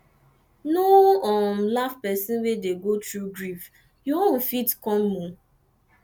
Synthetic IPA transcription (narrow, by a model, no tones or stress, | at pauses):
noɔmlafpɛsĩnwedeɡotɹuɡɹif | juon̩fitkɔ̃nmũ